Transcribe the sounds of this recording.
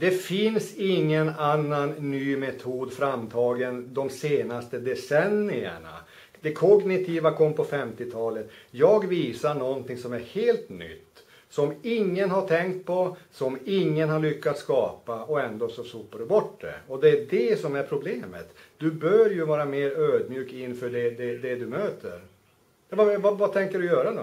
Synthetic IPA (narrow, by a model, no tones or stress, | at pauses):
d̪ɛfɪnsɪŋːənanːanːyːmɛt̪ʰuːd̪fɾamːt̪ʰɑːɡənd̪ɔmseːnast̪əd̪ɛsɛnːɪə̰ɳa̰ | d̪ɛkʰɔɡnɪt̪ʰiːvakʰɔmːpʰɔfɛmt̪ɪt̪ʰɑːlət̪jɑːɡviːsaɳɔnt̪ɪŋsɔmæɾheːlt̪nʏ̰t̪ː | sɔmɪŋːənɦaʈʰɛŋkt̪̚pʰɔsɔmɪŋːənhaɾɭʏkːat̪skɑːpaɔɛnd̪oːsɔsuːpːaɖɵbɔʈːd̪ɛ̰ɔd̪ɛːɖɛsɔmæɾpʰɾʊbleːmə̰t̪d̪̥ɵbœɾjɵvɑːɾameːɾøːd̪mjʉːkɪnfœːɖɛd̪ɛd̪ɛd̪ɵmøːt̪ʰə̰ɾ | vavavat̪ʰɛŋkəɖɵjœːɾad̪ɔ